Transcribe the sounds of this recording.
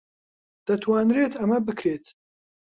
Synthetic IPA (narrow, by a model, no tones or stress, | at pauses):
d̪̥ɐt̪ʰwaːnɾeːt̪ʰɐmɐbɨkʰɾeːt̪